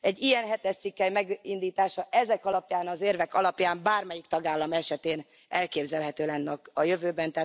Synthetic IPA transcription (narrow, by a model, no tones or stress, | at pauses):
ɛɟːijɛnɦɛt̪ɛʃt̪sikːɛjmɛɡind̪iːt̪aːʃɒʔɛzɛkɒlɒpjaːnɒzeːrvɛkɒlɒpjaːmbaːrmɛjikt̪ɒɡaːlːɒmɛʃɛt̪eːn | ɛlkeːbzɛlɦɛt̪øːlɛnːɛkɒjø̞vøːbɛnt̪ɛɦaː